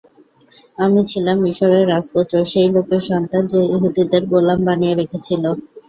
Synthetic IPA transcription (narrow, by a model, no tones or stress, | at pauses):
amit͡ɕʰilamiʃɔɾeɾːaspot̪ːɾoʃejlokeɾʃɔnt̪and͡ʑeiɦud̪id̪eɾɡolːambanijeɾekʰet͡ɕʰilo